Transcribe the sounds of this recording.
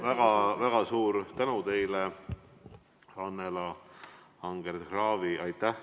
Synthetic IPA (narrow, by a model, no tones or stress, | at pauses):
væɡ̥ɑvæɡ̥ɑsuːɾt̪ænut̪e̞jle | ɑnːelɑ | ɑŋɡ̥erd̪ɡrɑːviɑjt̪ːˑæh